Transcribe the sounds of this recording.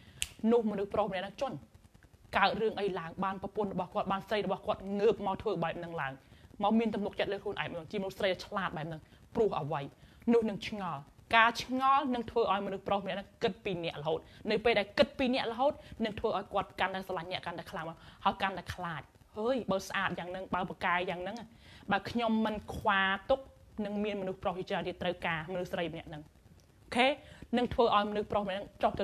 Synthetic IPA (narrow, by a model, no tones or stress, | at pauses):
nʊ̆əhmɔnɨhprohmnɛəʔnɨŋt͡ɕʊ̆ənkaət̪̚rɨəŋʔəjlaəŋɓaːnprɑpʊ̆ənrɔɓɑhkŏət̪̚ɓaːnsəjrɔɓɑhkŏət̪̚ŋəːp̚maɔwt̪ʰʋəːɓaɛp̚nɨŋlaəŋmaɔmiənt̪umnʊk̚t͡ɕət̪̚ləːkʰlŭənʔa̰ɛmnːŋt͡ɕiəmɔnuhsrəjɗt͡ɕʰlaːt̪̚ɓaɛp̚nɨŋ | prʊ̆əhʔəʋəjnʊ̆əhnɨŋt͡ɕʰŋɑlkaːt͡ɕʰŋɑlnɨŋt̪ʰʋəːʔaɔjmɔnuhproːhmnɛ̆ʔnɨŋkɨt̪̚piːnɛ̆əʔləɦoːt̪̚nɨwpeːlɗaɛlkɨt̪̚piːnɛ̆əʔlə̆ɦoːt̪̚nɨŋt̪ʰʋəːʔaɔjkŏət̪̚kant̪aɛsɑlaɲnɛ̆əʔkant̪aɛkʰlaːŋmaŋhaəjkant̪aɛkʰlaːc̚ | həːjɓaːsʔaːt̪̚jaːŋnɨŋɓaəpakaɛjaːŋnɨŋ | ɓaəlkʰɲomːɨnkʰwaːt̪uk̚ | nɨŋmiənmɔnuhproht͡ɕiət͡ɕraənt̪iət̪rəwkaːmɔnɨhsrəjmənɛ̆əʔnɨŋ | ʔʔokʰeːnɨŋt̪ʰʋəːʔaɔjmɔnɨhprohmnɛʔnɨŋt͡ɕoht̪ɨ